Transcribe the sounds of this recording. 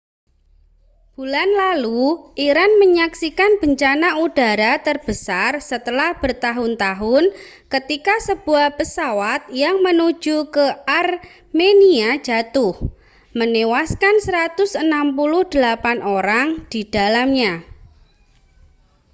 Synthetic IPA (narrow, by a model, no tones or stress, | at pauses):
b̥ṳlanlaluʔiɾanməɲaksikanb̥əɲt͡ʃanaud̥a̤ɾat̪ərb̥əsarsət̪əlahb̥ərt̪aɦʊnt̪aɦʊn | kət̪ikasəb̥uahpəsawat̪̚jaŋmənu̥d͡ʒ̥ukəar | meniḁd͡ʒ̥a̤t̪ʊh | mənewaskansɾat̪ʊsənampulʊhd̪̥əlapanoɾaŋd̪̥id̥a̤lamɲa